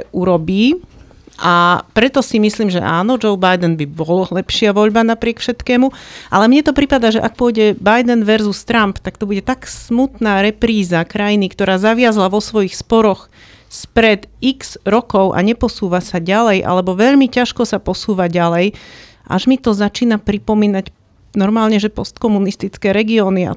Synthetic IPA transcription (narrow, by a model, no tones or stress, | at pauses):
ʔuɾɔbiː | ʔapɾɛt̪ɔsimisliːmʒɛ̰ʔaːnɔd͡ʒɔʊbajd̪ɛnbibɔllɛpʃɪaʋɔʎbanapɾɪɛkfʃɛt̪kɛːmuʔa̰lɛmɲɛt̪ɔpɾipad̪aːʒɛʔak̚pʊɔjɟɛbajd̪ɛnʋɛɾzust̪ɾampt̪ak̚t̪ɔbuɟɛt̪aksmut̪naːɾɛpɾiːzakɾajinikt̪ɔɾaːzaʋɪazlaʋɔsʋɔjixspɔɾɔx | spɾɛd̪ikz̥ɾɔkɔʊʔa̰ɲɛpɔsuːʋasaɟalɛjʔa̰lɛbɔʋɛʎmicaʃkɔsapɔsuːʋaɟalɛj | ʔa̰ʒmit̪ɔzat͡ʃiːnapɾipɔmiːnac | nɔɾmaːlɲɛʒɛpɔst̪kɔmunist̪it͡skɛːɾɛɡiɔːnia̰